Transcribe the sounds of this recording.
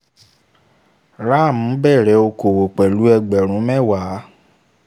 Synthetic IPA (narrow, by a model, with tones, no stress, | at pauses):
ɾa˦˨m̩̃˨˦bɛ˦˨ɾɛ˨˦o˧ko˨wo˨k͡pɛ˨lu˨˦ɛ˧ɡ͡bɛ˨ɾ̃ũ˨˦mɛ˦˨wa˨˦